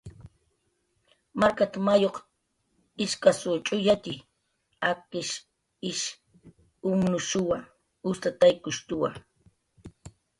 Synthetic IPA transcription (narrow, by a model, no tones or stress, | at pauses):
maɾkat̪amajoq | ɪʃkasʊt͡ʃʼʊjat̪ɪ | aqɪʃ | ɪʃ | ʊmnʊʃʊwa | ʊst̪at̪ajkʊʃt̪ʊwa̰